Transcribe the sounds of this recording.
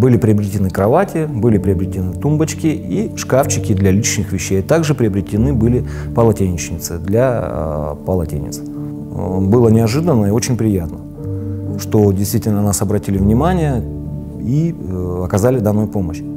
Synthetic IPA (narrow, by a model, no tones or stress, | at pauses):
bɨlʲɪpɾʲɪɐbɾʲɪtʲɪnɨkɾɐvatʲɪbɨlʲɪpɾʲɪɐbɾʲɪtʲɪnɨt̪umbət͡ɕkʲɪiʂkaft͡ɕɪkʲɪd̪lʲɐlʲit͡ɕnʲɪxvʲɪɕːejt̪aɡʐɨpɾʲɪɐbɾʲɪtʲɪnɨbɨlʲɪ | pəlˠɐtʲenʲɪt͡ɕnʲɪt̪sɨd̪lʲa | pəlˠɐtʲḛnʲɪ̰t̪s | bɨlˠənʲɪɐʐɨd̪ənːəio̞t͡ɕɪnʲpɾʲɪjat̪nə | ʂt̪o̞dʲɪjst̪vʲitʲɪlʲnənasɐbɾɐtʲilʲɪvnʲɪmanʲɪjə | iɐkɐzalʲɪd̪anːojpo̞məɕ